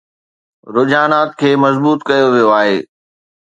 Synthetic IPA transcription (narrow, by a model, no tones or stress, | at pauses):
ɾʊd͡ʑaːnaːt̪̚kʰeːmɐzbuːt̪kɐjoʋijoaːɦeː